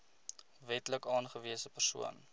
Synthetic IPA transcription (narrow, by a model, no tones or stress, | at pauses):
vɛtləkɑːnχəviəsəpərsṵə̰n